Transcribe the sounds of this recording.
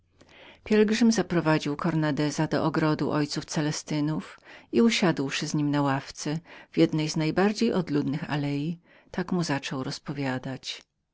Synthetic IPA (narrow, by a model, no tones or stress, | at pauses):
pʲjɛlɡʐɘmzapɾɔvad͡ʑiwkʰɔɾnad̪ɛzad̪ɔ̰ʔɔɡɾɔd̪ṵʔɔjt̪suft̪sɛlɛst̪ɘnufiuɕad̪wʂɘzɲimnawaft̪sɛvʲjɛd̪nɛjznajbaɾd͡ʑejʔɔd̪lud̪nɘxa̰lɛji | t̪akmuzat͡ʂɔwɾɔspɔvʲjad̪at͡ɕ